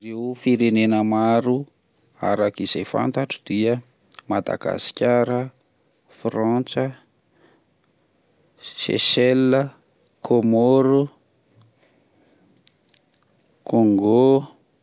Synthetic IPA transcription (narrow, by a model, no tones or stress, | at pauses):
rewfiɾenenəmaɾu | a̰ɾakiz̥ejfa̰nt̪aʈ͡ʂu̥d̪iə | mad̪a̰ɡ̥a̰si̥kʲaɾə | frɔnt͡sə | ʃḛʃɛlːə | kʰomoɾu | kʰoŋɡo